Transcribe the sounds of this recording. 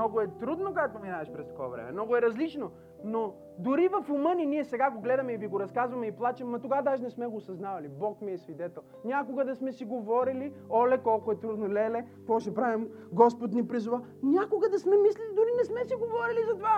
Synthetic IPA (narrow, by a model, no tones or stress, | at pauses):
nɔɡʊɛt̪ɾud̪nokoɛt̪ominavɐʃpɾɛst̪ɐ̥kɔ̰vɐ̰vɾɛ̰mɛ̰mnɔɡʊɛɾɐzlit͡ʃno | no | d̪ʊɾivɐfʊmɤnʲiniɛsɛɡaɡoɡlɛd̪ɐmɛiviɡoɾɐskazvɐmɛiplˠat͡ʃɛmːɐt̪oɡad̪aʒinɛsmɛɡoːsɐznavɐlibɔkmiɛsvid̪ɛt̪ɛlˠnʲakoɡɐd̪ɐsmɛsiɡovɔɾili | ɔlɛkɔlˠkʊɛt̪ɾud̪nolɛlɛ | kɔʃɛpɾavim | ɡɔspot̪nipɾizʊva | nʲakoɡɐd̪ɐsmɛmislilid̪ʊɾinɛsmɛsiɡovɔɾilizɐt̪ova